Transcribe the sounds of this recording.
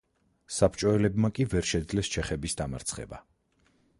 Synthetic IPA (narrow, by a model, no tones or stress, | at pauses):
sapʰt͡ʃʼɔɛlɛbmakʼivɛɾʃɛd̪zlɛst͡ʃʰɛχɛbisd̪ama̰ɾt̪sʰχɛ̰ba̰